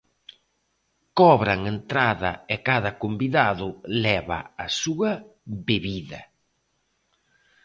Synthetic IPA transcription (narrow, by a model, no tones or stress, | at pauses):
kɔβɾaŋent̪ɾaðɐ̰ekaðɐkombiðaðʊlɛβɐ̰asuɐbeβiðɐ̰